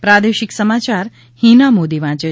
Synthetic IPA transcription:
pɾad̪eʃɪksəmat͡ʃaɾ | hinamod̪iʋãt͡ʃe

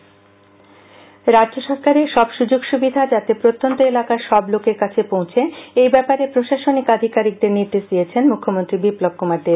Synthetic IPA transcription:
ɾadd͡ʑoʃɔɾkaɾeʃɔbʃud͡ʑoɡʃubid̪ʱad͡ʑat̪epɾot̪ːont̪oelakaʃɔblokeɾkat͡ɕʰepõw̃t͡ɕʰeejbɛpaɾepɾoʃaʃonikad̪ʱikaɾik̚d̪eɾniɾd̪eʃd̪ijet͡ɕʰenmukʰːomont̪ɾibiplob̚kumaɾd̪eɾ

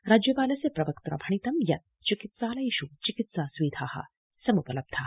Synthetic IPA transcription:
ɾaːd͡ʒjɐpaːlɐsepɾɐʋɐkt̪ɾɐ̰bʱɐɳ̃it̪ɐmjɐt̪̚t͡ʃikit̪saːlɐjiːʃut͡ʃikit̪saːsʋiːd̪ʱʰaːhɐ̰ | sɐmupɐlɐb̚d̪ʰʱaː

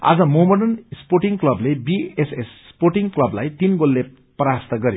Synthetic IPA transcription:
a̰d͡zʌmomʌɳʈʌnisporʈiŋklʌblebiesessporʈiŋklʌblajt̪inɡolːe | pɾast̪ʌɡʌɾjo

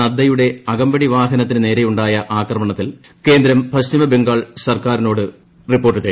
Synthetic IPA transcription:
ɐd̪ːɐjuɽe̞ɐɡɐmbɐɽiʋaːɦɐnɐt̪ːinɨne̞ːɾejuɳɖaːjɐʔaːkrɐmɐɳɐt̪ːil | ke̞ːnd̪ɾɐmprɐɕt͡ɕimɐbeŋɡaːɭsɐrkaːɾino̞ːɽɨ | ripːorʈːɨt̪e

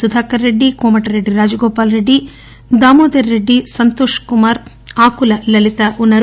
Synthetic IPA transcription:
sud̪ʱaːkɐɾːeɖːikoːmɐʈɐɾeɖːiɾaːd͡ʒɐɡoːpaːlɾeɖːi | d̪aːmoːd̪ɐɾːeɖːisɐnt̪oːʃkumaːɾ | aːkulɐlɐlit̪ɐʔunːɐɾ

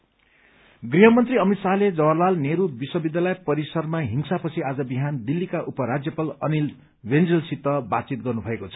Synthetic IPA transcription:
ɡriɦʌmʌnt̪riʌmit̪saɦled͡zʌwʌrlalneɾubiswʌbid̪jalʌjpʌɾisʌrmaɦiŋsapʌt͡sʰiad͡zʌbiɦand̪ilːikaʔupʌɾad͡zjʌpalʌnil | wend͡zʌlsit̪ʌbat͡sit̪̚ɡʌrnubʱʌekot͡sʰʌ̥

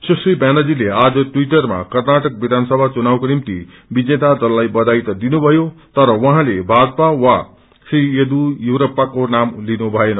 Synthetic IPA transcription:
sʌsibanʌd͡zilead͡zʌʈwiʈʌrma̰kʌrnaʈʌk̚bid̪ʱanʌsʌbʱat͡sunawkonimt̪ḭ | bid͡zet̪ad̪ʌlːajbʌd̪ajt̪ʌd̪inubʱʌjot̪ʌɾʌwʌɦãlebʱad̪pawa | sried̪ujuwɾʌpːakonamlinubʱʌenʌ

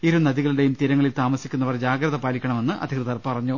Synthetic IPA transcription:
iɾunɐðiɣɐɭuɽe̞jumt̪iɾɐŋːɐɭilt̪aːmɐsikʲːunːɐʋɐrd͡ʑaːɡɾɐðɐpaːlikʲːɐɳɐme̞nːɨʔɐ̰d̪ʱikrɨðɐrpɐrɐɲːu

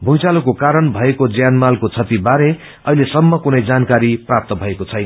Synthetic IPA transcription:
bʱujt͡salokokaɾʌnbʱʌekod͡zjanmalkot͡sʰʌt̪ibaɾe | ʌɦilesʌmːʌkunʌjd͡zankaɾiprap̚t̪ʌbʱʌekot͡sʰʌjnʌ

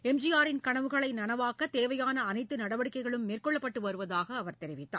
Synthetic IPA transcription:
ɛmd͡ʒɪjaːɾɪnkɐɳɐʋɯɣɐɭɐɪnɐnɐʋaːkɐt̪ːeːʋɐjaːnɐːnɐɪt̪ːɯnɐɽɐʋɐɽɪkːɐɪɣɐɭɯmːeːrkɔɭːɐpːɐʈːɯʋɐɾɯʋɐðaːɣɐːʋɐɾt̪ɛɾɪʋɪt̪ːa̰ː

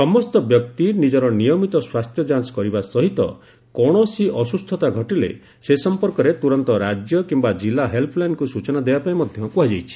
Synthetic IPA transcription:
sɔmɔst̪ɔbjɔk̚t̪inid͡ʒɔɾɔnijɔmit̪ɔswast̪ʰjɔd͡ʒanskɔɾibasɔɦit̪ɔ̰ | kɔɽ̃ɔsiʔɔsust̪ʰɔt̪aɡʱɔʈilḛ | sesɔmpɔɾkɔɾet̪uɾɔnt̪ɔɾad͡ʒjɔkimbad͡ʒilaɦelpʰɔlankusut͡ʃɔnad̪ebapaimɔd̪ʱjɔŋkuɦad͡ʒajt͡ʃʰi̥

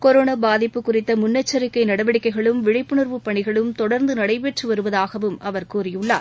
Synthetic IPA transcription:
kɔɾoːnɐbaːðɪpːɯkːʊrɪt̪ːɐmʊnːɐt͡ʃːɐɾɪkːɐɪnɐɽɐʋɐɽɪkːɐɪɣɐɭɯmʋɪɽɐɪpːɯɳɯrʋɯpːɐɳɪɣɐɭɯmt̪ɔɽɐɾnd̪ɯnɐɽɐɪpeʈrɯʋɐɾɯʋɐðaːɣɐʋɯmʔɐʋɐɾkuːrɪjɯɭːaː

